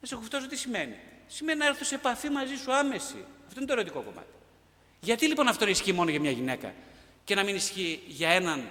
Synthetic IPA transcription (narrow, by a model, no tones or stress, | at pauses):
nesekoft̪os̬ot̪isime̞nḭsime̞ninɐeɾθusepɐfimɐzisuɐme̞sḭɐft̪oinet̪oeɾo̞t̪iko̞ko̞̰mɐ̰t̪i̥ | ʝɐt̪ilipo̞nɐft̪o̞ineisçimo̞noʝɐmɲɐʝine̞kɐ̰ | ce̞nɐminisçiʝɐe̞nɐn